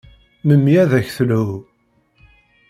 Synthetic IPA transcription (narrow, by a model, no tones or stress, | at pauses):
məmːjæðæçθlu